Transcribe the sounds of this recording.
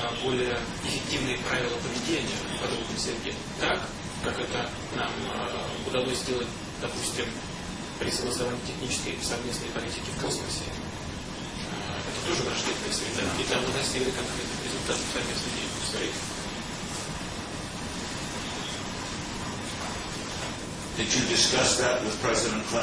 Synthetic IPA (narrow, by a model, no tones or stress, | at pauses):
bo̞lʲɪjə | ɪfʲɪk̚tʲivnɨjəpɾavʲɪlˠəpəvʲɪdʲenʲɪjəpɐd̪o̞bnɨsʲɪɾʲɡʲe | t̪akː | akɛt̪ə | nam | ʊd̪ɐlˠosʲzdʲe̞lˠət̚ʲ | d̪̥ɐpusʲtʲɪm | pɾʲɪsəɡlˠəsɐvanʲɪːtʲɪxnʲit͡ɕɪ̥skəjsɐvmʲe̞snəjpɐlʲitʲɪkʲɪfkosmə̰sʲɪ̰ | ɛt̪ə̥t̪o̞ʐɨvɾɐʐd̪ʲed̪nəjəsɾʲɪd̪aid̪lʲamd̪asʲiɡlʲətkɐnkɾʲet̪nəxɾʲɪ̰zʊlʲt̪at̪əfsɐvmʲe̞snɨdʲḛbst̪ɐɾʲitʲ | ɨt͡ʃudɪskɐsd̪ætwɪð̥pʰɹɛzɪɾə̃nkʰ